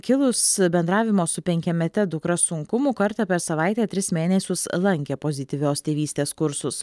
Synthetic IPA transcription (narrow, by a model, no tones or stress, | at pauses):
kʲɪlˠʊsbʲɛnd̪ɾɑːʋʲɪmoːsʊpʲɛŋʲkʲɛmʲɛt̪ʲɛd̪ʊkɾɐsʊŋkʊmʊkɐɾt̪ɑpʲɛɾsɐʋɑˑɪt̪ʲeːt̪ʲɾʲɪsmʲeːnʲɛsʲʊslˠɐŋʲkʲeːpoːzʲɪt̪ʲiːʋʲoːst̪ʲeːʋʲiːst̪ʲeːskʊɾsʊs